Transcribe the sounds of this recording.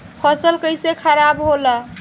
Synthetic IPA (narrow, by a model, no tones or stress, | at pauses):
pʰəsəlkəjsekʰəɾabɦola